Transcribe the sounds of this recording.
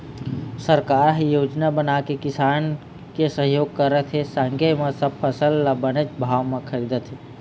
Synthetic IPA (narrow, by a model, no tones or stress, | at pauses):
səɾkaːɾɦjoːd͡ʒnabənakekɪsaːn | kesəɦjoːɡ̚kəɾət̪ʰɦesaŋɡəmesəb̚pʰəsəlːabənet͡ʃbʱaʋmẽkʰəɾid̪ət̪ʰɦe